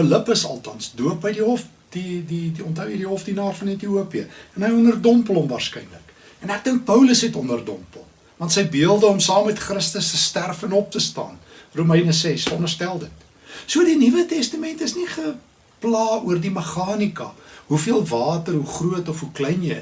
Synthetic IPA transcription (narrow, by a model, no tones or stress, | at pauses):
ələpəsɐ̰lˠtɑnsduəpɦəjdiɦɔf | d̥ididiɔntɦəwjəjdiɦɔfdinɑːrfɐnɛtiuəpiəɛnɦəjɔnərdɔmpəlɔmvɑːrskɛjnlək | ɛnæk̚dəŋk̚pəwləsɦɛtɔnərdɔmpəlˠ | vɐntsəjbiəlˠdəɔmsɑːmːɛtχrəstəstəstærfɛnɔp̚təstɑ̰ːn | rumɛjnəsɛsɔndərstælˠdət | suədinivətɛstəmɛntəsniχə | plɑːuərdiməχɑːnikɐ̰ɦufiəlˠvɑːtərɦuχruətɔfɦuklɛjnjəj